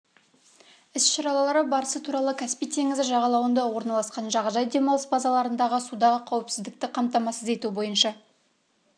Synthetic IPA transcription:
ɪsʃɑɾɑlˠɑlˠɑɾəbɑɾəsət̪ʰuɾɑlˠəkʲʰæspijt̪ʰe̞ŋɪzɪʒɑʁɑlˠɑwənd̪ɑwo̞ɾnɑlˠɑsqɑnʒɑʁɑʒɑjd̪e̞mɑlˠəsbɑzɑlˠɑɾənd̪ɑʁəsud̪ɑʁəqʰɑwɪpsɪzd̪ɪk̚t̪ɪqʰɑmt̪ɑmɑsəze̞t̪ubo̞jənʃɑ

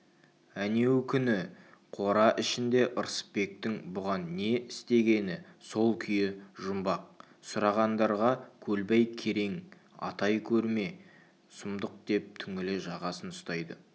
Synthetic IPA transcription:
æne̞wkʲʰʏnɪ | qʰo̞ɾɑʔɪʃɪnd̪e̞ʔʊɾsə̥pbe̞k̚t̪ɪŋbʊʁɑnːe̞ɪst̪e̞ɡʲe̞nɪso̞lˠkʲʰʏjɪʒʊmbɑq̚ | sʊɾɑʁɑnd̪ɑɾʁɑkʲʰɵlbejkʲʰe̞ɾe̞ŋ | ɑ̰t̪ɑjkʲʰɵɾme̞ | sʊmd̪əq̚d̪e̞p̚t̪ʰʏŋɪlɪʒɑʁɑsənʊst̪ɑjd̪ə

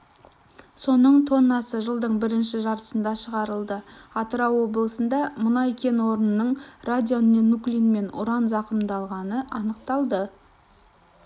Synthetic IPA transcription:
so̞nəɴt̪ʰo̞nːɑsəʒəlˠd̪əɴbɪɾɪnʃɪʒɑɾt̪ə̥sənd̪ɑʃəʁɑɾəlˠd̪əɑt̪əɾɑwwo̞blˠəsənd̪ɑmʊnɑjkʲʰe̞nwo̞ɾənənːəɴrad̪ʲijo̞nnenːuklʲinme̞nʊ̰ɾɑnzɑqəmd̪ɑlˠʁɑnəʔɑnəq̚t̪ɑlˠd̪ə

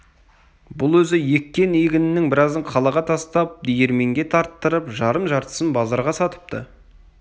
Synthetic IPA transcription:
bʊlˠwɵzɪje̞kʲːe̞nijɡʲɪnɪnɪŋbɪɾɑzd̪əɴqʰɑlˠɑʁɑt̪ʰɑst̪ɑp̚d̪eje̞ɾme̞ŋɡʲe̞t̪ʰɑɾt̪ːəɾəpʒɑɾəmʒɑɾt̪ə̥sənbɑzˠɑɾʁɑsɑt̪ə̥p̚t̪ə̰

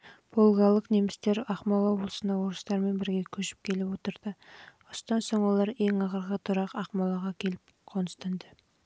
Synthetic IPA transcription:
b̥ʰolˠɡɑlˠəqnemɪst̪e̞ɾɑχmɑlˠɑbolˠsənd̪ɑwo̞ɾəst̪ɑɾme̞nbɪɾɡʲe̞kʲʰɵʃɪ̥p̚kʲʰe̞lɪpwo̞t̪əɾd̪̥ə | ost̪ɑnso̞ɴwo̞lˠɑɾe̞ŋɑʁəɾʁət̪ʰʊɾɑqɑχmɑlˠɑʁɑkʲʰe̞lɪp̚ | qʰonəst̪ɑnd̪ə

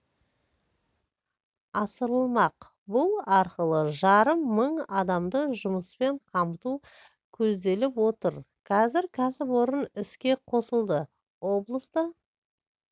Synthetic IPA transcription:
ɑsəɾəlˠmɑq | bʊlˠɑɾqəlˠəʒɑɾəmːəɴɑd̪ɑmd̪əʒʊməspe̞ɴqʰɑmt̪u | kʲʰɵzd̪e̞lɪpwot̪əɾ | qʰɑzɪɾkʲʰæsɪpwo̞ɾənɪskʲe̞qʰo̞səlˠd̪ə | wo̞blˠəst̪ə

